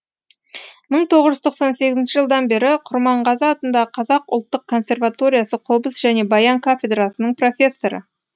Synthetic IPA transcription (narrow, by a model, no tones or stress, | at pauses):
məɴt̪ʰo̞ʁəʒʏzt̪ʰo̞qsɑnse̞ɡʲɪzɪnʃɪʒəlˠd̪ɑnbe̞ɾɪqʰʊɾmɑɴʁɑzɑːt̪ənd̪ɑqʰɑzɑqʊlˠt̪ːəq̚kʰːo̞nsʲe̞rvat̪o̞ɾʲijasəqʰobəsʒ̥æne̞bɑjɑŋkʰofʲe̞d̪rɑsənəɴpro̞fʲe̞sːo̞ɾə̰